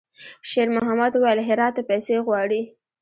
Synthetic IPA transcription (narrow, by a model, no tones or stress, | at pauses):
ʃeɾmʊɦamad̪uwajəlɦɪɾɑt̪ːepajseɣwɑɽi